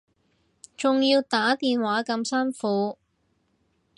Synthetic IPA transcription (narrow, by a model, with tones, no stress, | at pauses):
t͡sʊ˨ŋjiː˧wt̪aː˨˥t̪iː˨nwaː˨˥kɐ˧msɐ˥nfuː˨˧˥